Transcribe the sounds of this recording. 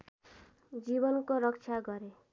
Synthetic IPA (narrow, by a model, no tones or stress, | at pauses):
d͡zibʌnkoɾʌkt͡ʃʰaɡʌɾe